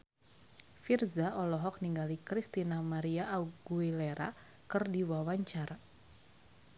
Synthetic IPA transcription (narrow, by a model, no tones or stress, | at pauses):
firzaʔɔlɔɦɔk̚niŋɡalikɾist̪inamaɾiaːɡuileɾʔa̰ | kɨrdiwawaɲt͡ʃaɾa